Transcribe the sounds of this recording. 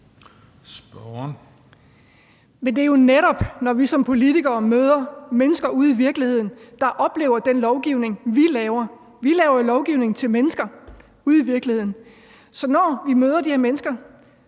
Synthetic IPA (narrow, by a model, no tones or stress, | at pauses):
sb̥ɒn | mend̥e̝æjo̝neɾ̥ɒ̽b̥nɒʋisɒ̽mpʰo̝lit͡sʰiɡ̥ɐːmøðˠɐmenəsɡ̥ɐʔuð̰ˠiʋiɐɡ̥lihe̝ð̞̰ˠn̩d̥ɑ̈ʔɒ̽b̥le̝̰ʊɐd̥enlɒʊɡ̥iʊne̝ŋʋilɛʊɐ | ʋilɛːʊɐlɒʊɡ̥iʊne̝ŋn̩t͡sʰe̝lmenəsɡ̥ɐ | uð̩̰ˠiʋiɐɡ̥lihe̝ð̰ˠn̩ | sɒ̽nɒ̰ːʋimøːð̞ˠɐd̥iheɐmenəsɡ̥ɐ